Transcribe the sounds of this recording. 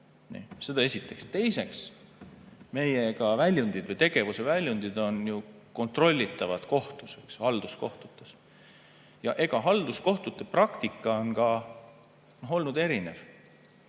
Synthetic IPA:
nḭse̞d̪ɑe̞sʲit̪ːˑe̞kst̪e̞jse̞ks | me̞jekɑvælʲjund̪̥id̪̥vɤjt̪e̞ɡ̥e̞vuse̞vælʲjund̪̥id̪o̞nju | ko̞nt̪ro̞lʲːit̪ːˑɑvɑd̪̥ko̞ht̪use̞kshɑld̪̥usko̞ht̪u̥t̪ːˑes | jɑʔe̞ɡ̥ɑɦɑld̪̥usko̞ht̪ut̪ːˑeprɑkt̪ikːˑɑonkɑ | no̞ɦo̞lnud̪e̞ɾine̞̰v̥

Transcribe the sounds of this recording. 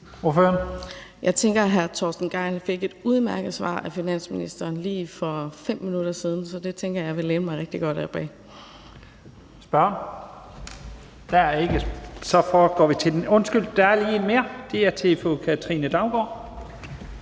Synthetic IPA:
o̝ɐføːɐnjɑ̈ɪt͡sʰeŋɡ̥ɐɦæɐt͡sʰɒ̰ːsd̥n̩ɡ̥ɑ̈ɪnfe̝ɡ̥e̝d̥uð̞ˠmæɐɡ̥əð̩ˠsʋɑ̰̈ːʔæfinæn̰sminḭsd̥ɐːnliːfɒ̽fem̰mːinuɾ̥ɐsiːð̞ˠn̩sɒ̽d̥e̝t͡sʰeŋɡ̥ɐjɑ̈ɪʋe̝leːnəmɑ̈ɪʁeɡ̥d̥iɡ̥ɒ̽d̥æb̥ɛ̰ː | sb̥ɶɐn | d̥æe̝ɡ̥əsɒ̽fɒ̥ːɡ̥ɒ̰ːʋit͡sʰe̝d̥enɔ̽nsɡ̥yl̰d̥ææɐliːme̝ːɐd̥e̝æt͡sʰefo̰kʰæt͡sʰʁḭnəd̥ɑ̈ʊɡ̥ɒ̰ː

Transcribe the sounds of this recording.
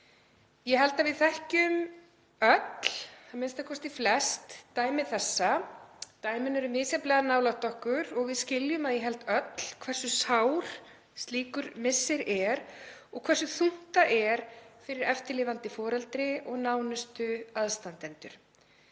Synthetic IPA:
jɛɦɛlt̪avɪðθɛhcʏm | œt̪l̥amɪnst̪akʰɔst̪ɪflɛst̪ːaːjmɪθɛsːat̪aːjmɪnɛɾʏmɪːsɛplɛɣanaːwlaht̪ɔhkʏɾɔɣvɪðscɪljʏmaðjɛɦɛlt̪œt̪l̥kʰvɛrsʏsawɾ̥ | st̪liːkʏɾmɪsːɪɾɛɾɔɣkʰvɛrsʏθuŋ̥t̪aʔɛɾ̥fɪɾɪɾɛft̪ɪlɪːvant̪ɪfɔːɾɛlt̪ɾɪɔɣnaːwnʏst̪ʏaðst̪ant̪ɛnt̪ʏɾ̥

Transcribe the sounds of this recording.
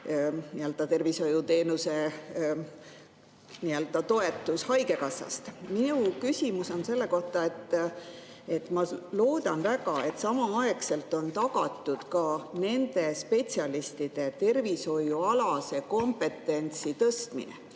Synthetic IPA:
niøld̪̥ɑt̪e̞rviso̞jut̪e̞ːnuse̞ | niøld̪̥ɑt̪o̞e̞t̪ːˑushɑjke̞kɑsːɑ̰st̪miukysʲimuso̞nse̞lːe̞ko̞ht̪ɑe̞t̪ː | e̞t̪ːˑmɑlo̞ːd̪̥ɑnvæɡɑe̞t̪ːˑsɑmɑɑekse̞lt̪ːˑo̞nt̪ɑɡ̥ɑt̪ːˑud̪̥kɑne̞nd̪̥e̞spe̞t̪siɑlist̪id̪̥e̞t̪e̞rviso̞juɑlɑse̞ko̞mpe̞t̪ːˑe̞nʲt̪sit̪ɤst̪mḭnḛ

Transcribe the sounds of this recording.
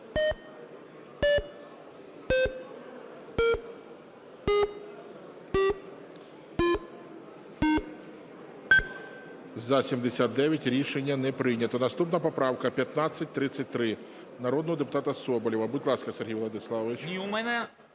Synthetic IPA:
zɐsʲimd̪esʲat̪̚d̪ɛʋʲjɐtʲɾʲiʃenʲːɐnɛpɾɪjnʲɐt̪ɔnɐst̪upnɐpɔpɾɑwkɐpʲjɐt̪nɑt͡sʲːɐt̚ʲt̪ɾɪt͡sʲːɐt̚ʲt̪ɾɪ | nɐɾɔd̪nɔɦɔd̪epʊ̥t̪ɑt̪ɐsɔbɔlʲiʋɐbut̪ʲlˠɑskɐserɦʲijʋlˠɐd̪ɪslˠɑʋʲit͡ʃʲiumɛnɛ

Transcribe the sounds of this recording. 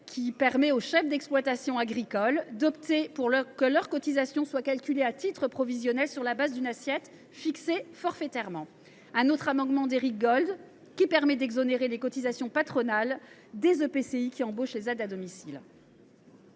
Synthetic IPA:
kʲʰipɛʁmɛoʃɛfd̪ɛksplwat̪asjɔ̃aɡʁikɔld̪ɔpt̪epuʁlkəlœʁkɔt̪izasjɔ̃swakalkʲyleat̪it̪χəpχɔvizjɔnɛlsyʁlabazd̪ynasjɛt̪ | fiksefɔʁfet̪ɛʁmɑ̃ | ɛ̃not̪χamɑ̃ɡ̪mɑ̃d̪eʁik̚ɡɔld̪ | kʲipɛʁmɛd̪ɛɡzɔneʁelekɔt̪izasjɔ̃pat̪χɔnal | d̪ezøpeseikʲiɑ̃boʃlezɛd̪ad̪ɔmisil

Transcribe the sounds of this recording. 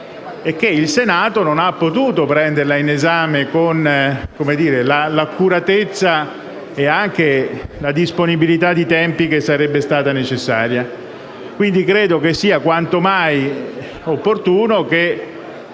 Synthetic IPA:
ekːeilsenaːt̪ononapːot̪uːt̪opɾɛnd̪erlainezaːmekonkomed̪iːɾelalakːuɾat̪et̪sːa | eaŋk̟elad̪isponibilit̪ad̪ːit̪ɛmpikesːaɾɛbːest̪aːt̪anet͡ʃesːaːɾja | kwind̪ikɾeːd̪okesːiːakwant̪omaj | opːort̪uːnoke

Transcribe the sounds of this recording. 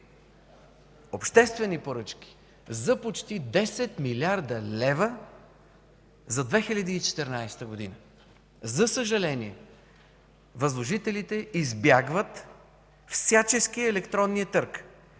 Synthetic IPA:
opʃt̪ɛst̪vɛnipoɾɤt͡ʃkʲi̥ | zɐpot͡ʃt̪id̪ɛsɛt̪milʲaɾd̪əlɛvə | zɐd̪vɛxilʲɐd̪iːt͡ʃɛ̥t̪ɛɾnajst̪əɡod̪inə | zɐsəʒɐlɛniɛ | vɐzlˠoʒit̪ɛlit̪ɛizbjaɡvət̪ | fsʲjat͡ʃɛskiɛlɛkt̪ɾɔnːiət̪ɤɾk

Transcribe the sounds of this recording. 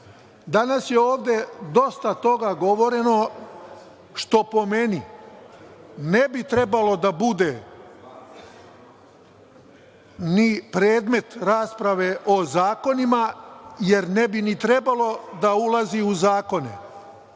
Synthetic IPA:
d̪anasjeoːʋd̪e̞d̪o̞st̪at̪o̞ɡaɡo̞ʋo̞ɾe̞no̞ | ʃt̪o̞po̞me̞ni | nebit̪ɾe̞balo̞d̪abud̪e̞ | nipɾeːd̪me̞t̪ɾaːspɾaʋe̞ʔozaːko̞nimaje̞ɾnebinit̪ɾe̞balo̞d̪aulaziuzaːko̞nḛ

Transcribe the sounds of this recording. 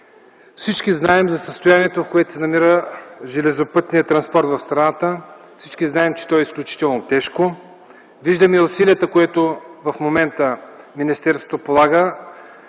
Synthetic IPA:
fsit͡ʃkiznaɛmzɐsəst̪ojaniɛt̪ofkoɛt̪o̥sɛnɐmiɾəʒɛlɛzopɤt̪nijət̪ɾɐnspɔɾt̪vɐfst̪ɾɐnat̪ə | fsi̥t͡ʃkiznaɛmt͡ʃɛ̥t̪ɔɛisklʲut͡ʃi̥t̪ɛlˠnot̪ɛʃko | viʒd̪əmiʊsiliət̪əkoɛt̪ovɐfmomɛnt̪ə | minist̪ɛɾsvo̥t̪opolˠaɡə

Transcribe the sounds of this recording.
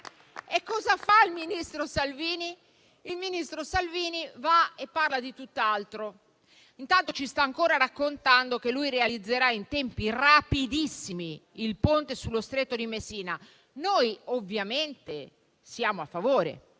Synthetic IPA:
ekːɔːzafailminist̪ɾosalviːniː | lminist̪ɾosalviːnivaepːarlad̪it̪ut̪ːalt̪ɾo | int̪ant̪ot͡ʃist̪aːŋkoːɾaɾakːont̪and̪ok̟elːujrealid̪zːeɾaint̪ɛmpirapid̪isːimiilpont̪esulːost̪ɾet̪ːod̪imesiːna | nojovːjament̪e | siaːmoafːavoːɾḛ

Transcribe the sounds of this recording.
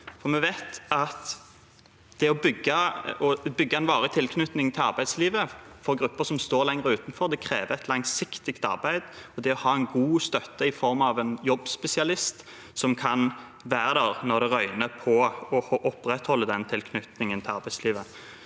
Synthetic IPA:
fɔʁmɛʋæɪt̪ɑt̪ | d̪̥ɛɔbʏɡːəɔbʏɡːəɛnʋɑːʁət̪ʰɪlkʰnʉt̪nɪŋt̪ʰɪlɑʁbæɪd̪sliːʋəfɔʁɡɾʉpːəʁsɔmst̪oːʁɾlɛŋɾəʉːt̪n̩fɔɾd̪ɛkʰɾeːʋəɛt̪ʰlɑŋsɪkt̪ɪɡt̪ɑ̰ʁbæɪd̪ɔd̪ɛɔhɑːɛnɡuːst̪œt̪ːəɪfɔɾmɑʋɛnjɔbːspɛsɪɑlɪst̪ | sɔmkʰɑn | ʋæːɾəd̪æʁnɔɾd̪ɛʁœʏnəpʰɔɔhɔʔɔpːɾɛt̪hɔlːəd̪ɛnt̪ʰɪlkʰnʉt̪nɪŋənt̪ʰɪlɑɾbæɪsliːʋə

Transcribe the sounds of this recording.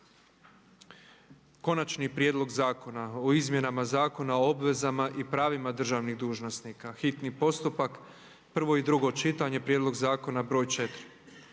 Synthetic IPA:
ko̞nat͡ʃnipɾjeːd̪lˠo̞ɡzaːko̞naoizmje̞namazaːko̞naoobʋe̞zamaʔipɾaːʋimad̪r̩ʒaʋniɣd̪uːʒnosnikaxit̪nipo̞st̪upak | pr̩ʋo̞id̪ɾuɡo̞t͡ʃit̪aɲe̞pɾjed̪lˠo̞ɡzaːko̞nabɾo̞ːjt͡ʃe̞t̪ɾi

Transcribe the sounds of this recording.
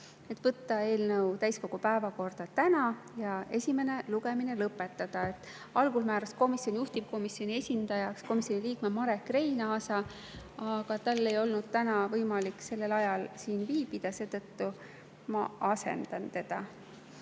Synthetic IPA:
et̪ːvɤt̪ːɑe̞ːlnɤwt̪æjsko̞ɡ̥upæevɑko̞rd̪̥ɑt̪ænɑ | jɑe̞sʲime̞ne̞luɡe̞mine̞lɤpːˑe̞t̪ːˑɑd̪̥ɑe̞t̪ːˑ | ɑlɡulmæːɾɑsko̞misjo̞nʲjuht̪ib̥̚ko̞misjo̞nʲie̞sʲind̪̥ɑjɑksko̞misʲjo̞niliːkmemɑɾe̞kːre̞jnɑːsɑ | ɑɡ̥ɑt̪ɑlːe̞jo̞lnud̪̥̚t̪ænɑvɤjmɑlikse̞lːe̞lɑjɑlsiːnviːbid̪̥ɑse̞ːd̪ɤt̪ːu | mɑɑse̞̰nd̪ɑnt̪e̞d̪̥ɑ

